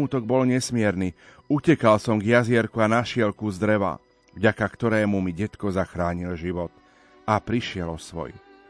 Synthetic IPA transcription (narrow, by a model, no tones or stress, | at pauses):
uːt̪ɔɡ̚bɔlɲɛsmɪɛɾni | ucɛkalsɔmɡjazɪɛɾkuanaʃɪɛlkuzd̪ɾɛʋa̰ | vɟakakt̪ɔɾɛːmumiɟɛt̪kɔzaxɾaːɲilʒiʋɔt̪̚ | apɾiʃɪɛlɔsʋɔ̰j